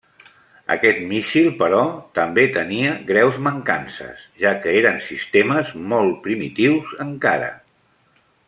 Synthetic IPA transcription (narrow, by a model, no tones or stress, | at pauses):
ə̰kɛt̪miʃilˠpəɾɔt̪əmbet̪əniəɣɾɛwzməŋka̰nsə̰z̥ʒakəeɾənsist̪eməzmɔlˠt̪̚pɾimḭt̪iwzəŋka̰ɾə̰